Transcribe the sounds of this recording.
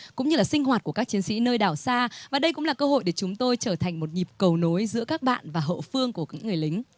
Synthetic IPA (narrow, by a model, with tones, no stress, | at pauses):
kʊ̰˧˥ŋ͡mɲɨ˧laː˨˩sï˧ŋ̟hɦwaː˨˩t̚ku˧˩əkːa˦˥t͡ɕi˨˦nsḭ˧˥nəː˧jɗaː˧˩wsaː˧vaː˨˩ɗə˧jkʊ̰˧˥ŋ͡mlaː˨˩kəː˧ho̰˧˨jɗe˧˩t͡ɕʊ˨˦ŋ͡mt̪o˧jt͡ɕəː˧˩t̪ʰa˨˩jŋ̟mo˨˩t̚ɲi˨˩p̚kə˨˩wno˨˦jzɨ̰˧˥əkaː˦˥k̚ɓa̰ː˧˨nvaː˨˩ɦə̰˧˨fɨ˧əŋku˧˩kːkŋːɨ˨˩əjlï˨˦ŋ̟